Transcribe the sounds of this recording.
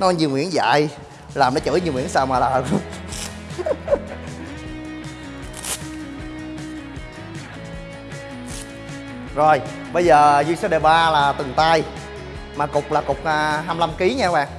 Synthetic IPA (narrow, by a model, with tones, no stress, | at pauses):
nɔ˨˦ɲɨ˧˩ŋwḭ˧˥ənza̰ː˧˨j | laː˨˩mnɔ˨˦t͡ɕə̰ː˧˩˦ɲɨ˧ŋwi˧˥ənsaː˧wmaː˨˩laː˨˩hə˨˩ | zo˨˩j | ɓə˧jzəː˨˩zi˧əŋsa˧˦ɗe˨˩ɓaː˧laː˨˩t̪ɨ˨˩ŋt̪aː˧j | maː˨˩kʊ˨˩k͡p̚laː˨˩kʊ˨˩k͡p̚ʔaː˨˩ɦaː˧mla˧mki˨˦ɲaː˧ɓa̰ː˨˩ŋ